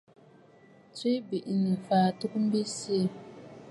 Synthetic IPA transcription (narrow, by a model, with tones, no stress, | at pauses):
t͡si˦bi˨ʔi˨ni˨fa˨tu˦km̩˦bi˦si˦˨